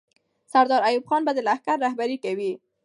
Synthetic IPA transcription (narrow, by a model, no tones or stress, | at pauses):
saɾd̪ɑɾajubxɑnbad̪əlahkaɾːahbaɾikawi